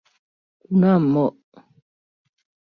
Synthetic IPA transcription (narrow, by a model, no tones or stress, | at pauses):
kunam̩mɔʔ